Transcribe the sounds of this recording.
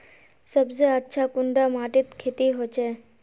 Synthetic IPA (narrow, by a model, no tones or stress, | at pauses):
səbseətːʃʰakʊɳɖamaːʈɪt̪kʰet̪iɦot͡ʃe